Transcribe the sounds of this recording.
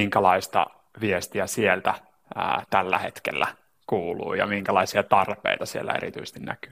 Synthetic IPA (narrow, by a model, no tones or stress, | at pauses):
iŋkælɑist̪ɑ̰ | ʋiest̪iæsielt̪æː | t̪ælːæhet̪kḛlːæ | kuːlṵːjɑ̰miŋkælɑisiɑt̪ɑrpḛit̪ɑsielːæ̰ḛɾḭt̪yist̪innæ̰ky̥ː